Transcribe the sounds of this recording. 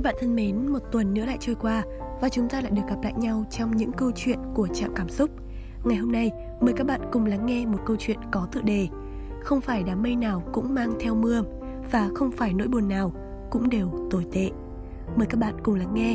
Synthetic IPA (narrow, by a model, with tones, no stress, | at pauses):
ɓa̰ː˧˨nt̪ʰə˧nme˨˦nmo˨˩t̚t̪wə˨˩nːɨ̰˧˥la̰ː˧˨jt͡ɕəː˧jkwaː˧ | vaː˨˩t͡ɕʊ˨˦ŋ͡mt̪aː˧la̰ː˧˨jɗɨ˨˩ək̚ɣa˨˩p̚la̰ː˧˨jɲa˧wt͡ɕɔ˧wŋ͡mɲɨ̰˧˥ŋkə˧wt͡ɕwḭ˧˨ənku˧˩ət͡ɕa̰ː˧˨mkaː˧˩msʊ˦˥k͡p̚ | ŋa˨˩jɦo˧mna˧j | məː˨˩jkaː˦˥k̚ɓa̰ː˧˨nkʊ˨˩ŋ͡mla˨˦ŋːɛ˧mo˨˩t̚kə˧wt͡ɕwḭ˧˨ənkɔ˨˦t̪ɨ̰˧˨ɗe˨˩ | xə˧wŋ͡mfaː˧˩jɗaː˨˦mmə˧jnaː˨˩wkʊ̰˧˥ŋ͡mmaː˧ŋt̪ʰɛ˧wmɨ˧ə | vaː˨˩xə˧wŋ͡mfaː˧˩jno̰˧˥jɓu˨˩ənːaː˨˩w | kʊ̰˧˥ŋ͡mɗe˨˩wt̪o˧˩jt̪ḛ˧˨ | məː˨˩jkaː˦˥k̚ɓa̰ː˧˨nkʊ˨˩ŋ͡mla˨˦ŋːɛ˧